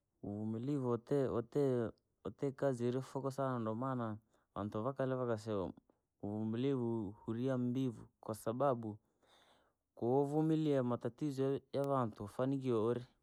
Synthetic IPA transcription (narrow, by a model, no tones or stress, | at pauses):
uvumilivuɔtɛɔtɛ | ɔtɛkaziɔɾiɔfɔkɔsanandɔmana | βa̰ntuβakalɛβakas̬ɛɔ̰ | uvumilivuhuɾiambivukwasaɓaɓu | kɔɔvumiliamatatizɔjaβantufanik̬iɔɔɾi